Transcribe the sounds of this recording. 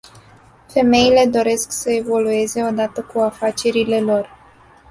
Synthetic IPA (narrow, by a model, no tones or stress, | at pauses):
fe̞me̞ile̞d̪o̞ɾe̞sksəe̞vo̞lue̞ze̞o̞d̪at̪əkuafat͡ʃe̞ɾile̞lo̞r